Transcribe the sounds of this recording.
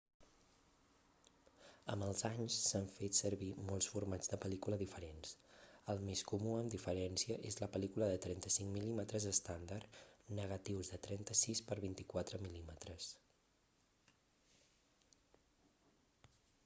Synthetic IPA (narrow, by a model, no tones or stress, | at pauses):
ə̰məlˠzaɲsːaɱfet̪səɾβimɔlˠsfuɾmad͡zðəpəlikuləðifəɾensəlˠmeskumuəmd̪ifəɾɛnsiəʔezləpəlikuləðət̪ɾɛnt̪əsiŋmilimət̪ɾəzəst̪and̪arnəɣət̪iwzðət̪ɾɛnt̪əsispəɾβint̪ikwat̪ɾəmilimət̪ɾəs